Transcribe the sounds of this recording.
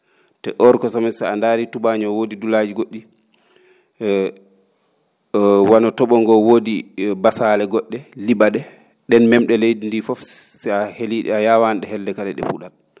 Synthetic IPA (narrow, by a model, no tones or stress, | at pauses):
tɛ̰ʔɔɾkɔsɔmɛsɛandaːɾitubaɲɔwodidulad͡ʒiɡoɗːi | wanɔtɔɓɔŋɡɔwodibasalɛɡɔɗːɛliɓaɗɛ | ɗɛnmɛmɗɛlejdindifɔfsɛaheliɗɛ̰ajaːwanɗɛhɛldɛkalɛɗɛ̰puɗal